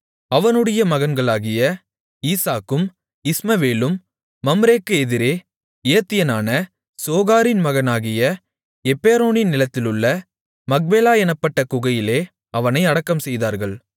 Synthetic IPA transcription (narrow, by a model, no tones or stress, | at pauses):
ɐʋɐnɯɽɐjɐmɐɣɐnɡɐɭaːɣɪjɐ | iːsaːkːɯm | ɪsmɐʋeːlɯmː | ɐmɾeːkːɯɛðɪɾeː | ɪjɐt̪ːɪjɐnaːnɐ | soːɣaːɾɪnmɐɣɐnaːɣɪjɐ | ɛpːeːɾoːnɪnnɪlɐt̪ːɪlɯɭːɐ | mɐk̚beːlaːɛnɐpːɐʈːɐkʊɣɐjɪleː | ɐʋɐnɐɪɐɽɐkːɐmsɛjðaːɾɣɐɭ